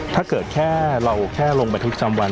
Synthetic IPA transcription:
t̪ʰaː˥˩kɤː˨˩t̪̚kʰɛː˥˩ɾa˧wkʰɛː˥˩lo˧ŋmba˧t̪ʰp̚a˧t͡ɕa˧mwa˧n

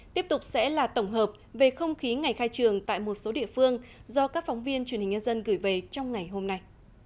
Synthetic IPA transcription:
t̪i˦˥əp̚t̪ʊ˨˩k͡p̚sɛ̰˧˥laː˨˩t̪ə˧˩wŋ͡mɦəː˨˩p̚ve˨˩xə˧wŋ͡mxi˨˦ŋa˨˩jxaː˧jt͡ɕɨ˨˩əŋt̪a̰ː˧˨jmo˨˩t̚so˨˦ɗḭ˧˨əfɨ˧əŋzɔ˧kaː˦˥k̚fɔ˨˦wŋ͡mvi˧ənt͡ɕwnhi̟˨˩ɲə˧nzə˧nɣɨ˧˩jve˨˩t͡ɕɔ˧wŋ͡mŋa˨˩jɦo˧mna˧j

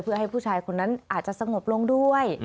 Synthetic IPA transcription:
pʰɯ˥˩əɦa˥˩jpʰuː˥˩t͡ɕʰaː˧jkʰo˧nːa˦˥nʔaː˨˩t̪̚t͡ɕa˨˩sa˧ŋo˨˩p̚lo˧ŋdu˥˩əj

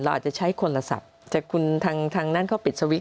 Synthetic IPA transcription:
la˧wʔaː˨˩t͡ɕa˨˩t͡ɕʰa˦˥jkʰo˧nla˧sa̰˨˩p̚t̪ɛː˨˩kʰu˧nt̪ʰaː˧ŋt̪ʰaː˧ŋnaː˥˩nkʰa˥˩pi˨˩t̪̚sa˧wi˦˥

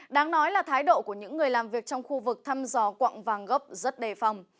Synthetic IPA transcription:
ɗaː˨˦ŋnɔ˨˦jlaː˨˩t̪ʰaː˨˦jɗo̰˧˨ku˧˩əɲɨ̰˧˥ŋːɨ˨˩əjlaː˨˩mvi˨˩ək̚t͡ɕɔ˧wŋ͡mxu˧vɨ˨˩k̚t̪ʰa˧mzɔ˨˧˩kwa̰˧˨ŋvaː˨˩ŋɣə˦˥p̚zə˦˥t̚ɗe˨˩fa˧˩wŋ͡m

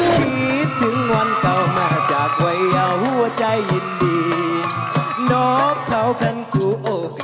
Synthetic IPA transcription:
pʰi˧˦t̪ʰːɯ˨˦ŋwa˧˥nka˧˩wmaː˧˩t͡ɕaː˨˩k̚wa˧˦jaː˧˩whu˧˩ɐt͡ɕa˧jːi˧ndiː˧ | nɔː˨˦kʰɾa˨˥wpʰa˧ŋkuː˨˧˦ʔoː˧˩

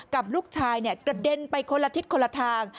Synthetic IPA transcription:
ka˨˩p̚luː˥˩k̚t͡ɕʰaː˧jni˥˩ɐkɾa˧˩de˧npa˧jkʰo˧nlːa˧t̪ʰi˦˥t̪̚kʰo˧lːa˧t̪ʰaː˧ŋ

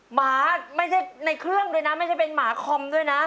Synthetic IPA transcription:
maː˩˦ma˥˩jt͡ɕʰa˥˩jna˧jkʰɾɯ˥˩əŋdu˥˩əjna˦˥ma˥˩jt͡ɕʰa˥˩jpe˧nmaː˩˦kʰɔ˧md̪u˥˩əjna˦˥

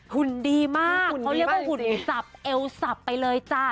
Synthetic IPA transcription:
hu˨˩ndiː˧ma˥˩kːa˧wɾi˥˩k̚waː˥˩hu˨˩nsa˨˩p̚ʔe˧wsa˨˩pːa˧jlɤː˧jt͡ɕa˧˩

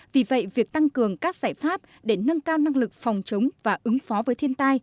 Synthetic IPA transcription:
vi˨˩və̰˧˨jvi˨˩ək̚t̪a˧ŋkɨ˨˩əŋkaː˦˥k̚z̥aː˧˩jfaː˦˥p̚ | ɗe˧˩nə˧nkaː˧wna˧ŋlɨ˨˩k̚fa˨˩wŋ͡mt͡ɕə˨˦wŋ͡mvaː˨˩ʔɨ˨˦ŋfɔ˨˦vəː˨˦jt̪ʰi˧ənt̪aː˧j

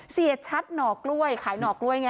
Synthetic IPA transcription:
si˨˩ət̪̚t͡ɕʰa˦˥t̪̚nɔː˨˩k̚lu˥˩əjkʰaː˩˦jnɔː˨˩k̚lu˥˩əjŋa˧˥

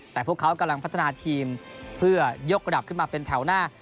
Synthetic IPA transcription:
tt̪ɛː˨˩pʰu˥˩əkʰːa˦˥wka˧mla˧ŋpʰa˦˥t̪ʰːa˧naː˧t̪ʰiː˧mpʰɯ˥˩ɐjo˦˥k̚ɾa˧da˨˩p̚kʰɯ˥˩nmaː˧pe˧nt̪ʰɛ˩˦wnaː˥˩

